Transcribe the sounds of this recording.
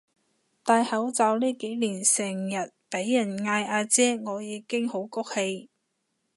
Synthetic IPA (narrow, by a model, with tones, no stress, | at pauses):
t̪aː˨˧jhɐ˨˥wt͡saː˧wliː˥ke˨˥jliː˨˩nsɛː˨˩ŋjɐ˨t̚pe˨˥jːɐ˨˩nŋaː˧jʔaː˧t͡sɛː˥ŋɔː˨˧jiː˨˧kɪ˥ŋho˨˥wkʊ˥k̚he˧j